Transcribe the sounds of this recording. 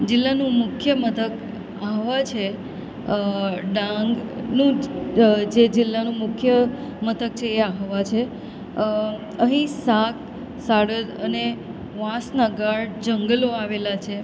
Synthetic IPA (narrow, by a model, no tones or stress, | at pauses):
d͡ʒɪlːanũmʊkʰjəmət̪ʰək | aɦʋat͡ʃʰe | ɖãŋɡnũ | d͡ʒed͡ʒɪlːanũmʊkʰjəmət̪ʰək̚t͡ʃʰeːaɦʋat͡ʃʰe | əɦĩsak̚ | saɽəd̪əne | ʋãsnaɡaɭd͡ʒəŋɡəloaʋelat͡ʃʰe